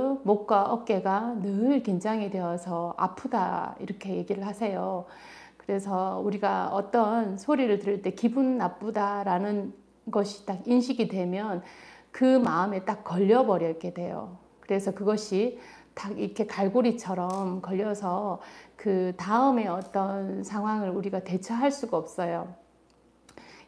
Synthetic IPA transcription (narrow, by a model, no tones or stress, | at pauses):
mok̚k͈waʔʌk͈e̞ɡanɯɭkend͡ʑaŋidwe̞ʌsʰʌa̰pʰuda̰ḭɾʌkʰe̞je̞ɡiɾɯɭhasʰe̞jo | kɯɾe̞sʰʌuɾiɡaʌt͈ʌnsʰoɾiɾɯɭtɯɾiɭt͈e̞kibunːap͈udaɾanɯn | ɡʌɕʰi̥t͈akinɕʰiɡidwe̞mjʌnkɯmaɯme̞t͈ak͈ːʌʎːʌbʌɾjʌɭk͈e̞dwe̞jo̰ | kɯɾe̞sʰʌkɯɡʌɕʰitaɡiɾʌkʰe̞kaɭɡoɾit͡ɕʰʌɾʌmkʌʎːʌsʰʌkɯtaɯme̞ʌt͈ʌnsʰaŋɦwaŋɯɭuɾiɡate̞t͡ɕʰʌɦaɭs͈uɡaʌp̚s͈ʌjo